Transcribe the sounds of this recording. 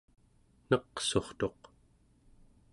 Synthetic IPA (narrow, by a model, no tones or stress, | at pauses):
nʌqso̞χt̪o̞q